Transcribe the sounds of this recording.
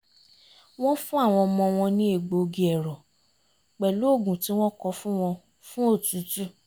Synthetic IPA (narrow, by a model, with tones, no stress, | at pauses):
w̃ɔ̃˦fũ˦a˦˨w̃ɔ̃˧mɔ̃˧w̃ɔ̃˧nĩ˦e˦˨ɡ͡bo˨˧ɡi˧ɛ˨ɾɔ˨ | k͡pɛ˨lu˨˦o˦˨ɡũ˨ti˨˦w̃ɔ̃˦kɔ˧fũ˦w̃ɔ̃˧ | fũ˦o˦˨tu˨˦tu˦